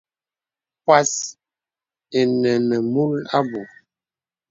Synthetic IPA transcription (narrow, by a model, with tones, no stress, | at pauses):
pwa˦s | e˨nɛ˨nə˨mu˦la˦bo˨